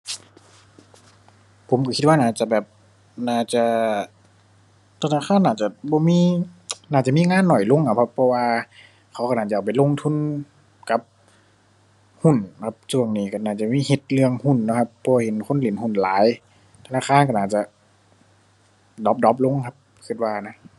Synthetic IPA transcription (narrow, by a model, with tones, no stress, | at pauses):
pʰo˨˦mka˧˩kʰi˧t̪̚waː˧naː˧˩t͡ɕa˧˩bɛː˨˩p̚ | naː˧˩t͡ɕa˧˩ | t̪ʰnaː˧˩xʰaː˧˥˨nːaː˧˩t͡ɕa˧˩bɔː˧˦miː˧˥˨naː˧˩t͡ɕa˧˨miː˧˥˨ŋaː˧˥˨nːɔ˨˩jlo˧˨ŋkʰa˧pʰpʰːɔ˧waː˧ | kʰa˨˦wka˧˩naː˧˩t͡ɕa˨ʔa˨˩pa˨jlo˧˨ŋt̪ʰu˧˥˨n | ka˧˦p̚ | hu˧˩nkʰa˧˦p̚su˧˩əŋniː˧˩ka˧˩naː˧˩t͡ɕa˧˩miː˧˥˨he˧˦t̪̚lɯ˧əŋhu˧˩nːɔ˧˩kʰa˧pʰːɔ˧waː˧˩ɦe˨˦nkʰo˧˥˨nli˨˩˦nhu˧˩˨nlaː˨˦j | t̪ʰa˧naː˧˨kʰaː˧˥˨nka˧˩naː˧˩t͡ɕa˧˦ | dɔ˨˦p̚dɔ˨˧˦p̚lo˧˥˨ŋkʰa˧˥p̚ | kʰi˧t̪̚waː˧na˧˥